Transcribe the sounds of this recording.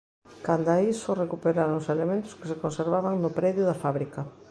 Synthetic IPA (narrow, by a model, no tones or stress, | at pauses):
kand̪aisorekupeɾaɾooselemẽnt̪ʊ̥ske̥sekonseɾβaβaŋnʊpɾɛðjʊðafaβɾikɐ